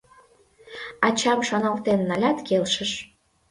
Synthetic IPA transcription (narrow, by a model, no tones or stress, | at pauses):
ɑt͡ɕɑmʃɑnɑlt̪enːɑlʲɑt̪kelʃəʃ